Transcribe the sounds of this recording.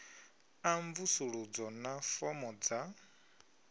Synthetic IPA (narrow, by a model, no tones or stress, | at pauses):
aɱvusuɺud͡zɔnafɔmɔd͡za